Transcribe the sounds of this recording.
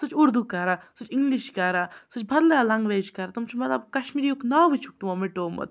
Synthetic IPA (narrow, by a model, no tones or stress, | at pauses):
sut͡ʃʰuɾd̪ukɐɾasut͡ʃiŋɡliʃkɐɾasɨt͡ʃʰbʱɐd̪lɐalaŋɡʋeːd͡ʒkɐɾat̪umt͡ʃʰimɐt̪lɐbkɐʃmiːɾijuknaːʋut͡ʃʰu̥k̚t̪umamiʈoːmɐ̰t̪̚